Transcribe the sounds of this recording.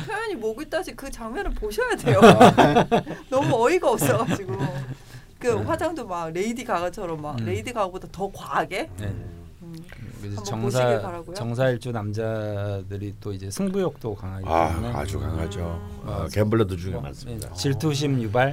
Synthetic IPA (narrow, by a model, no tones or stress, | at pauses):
pʰjʌjʌɲimoɡɯɭt͈aɕʰikɯt͡ɕaŋmjʌnɯnpoɕʰʌjadejo | nʌmuʌiɡaʌps͈ʌɡad͡ʑiɡo | kɯɸwad͡ʑaŋdomaɡ̚ɾe̞idiɡaɡʌt͡ɕʰʌɾʌmːakɾe̞idiɡaɡobodʌtʌkwaɡe̞ne | ɯkɯet͡ɕʌŋs̬ʰaepaɾaɡojot͡ɕʌŋsʰaiɭt͡ɕ͈unamd͡ʑadɯɾit͈oid͡ʑe̞sʰɯŋbujok̚t͈okaŋɦaia̰nea̰d͡ʑukaŋad͡ʑoakembɯɭet̬ud͡ʑuŋma̰nsɯedat͡ɕiɭtʰuɕ̬ʰimjubaɭ